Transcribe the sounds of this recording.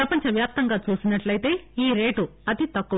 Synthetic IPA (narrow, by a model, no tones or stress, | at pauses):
ɾɐpɐɲt͡ʃɐʋjaːp̚t̪ɐŋɡaːt͡ʃuːsinɐʈlɐjit̪e̞ːiːɾe̞ːʈuɐd̪it̪ɐkːu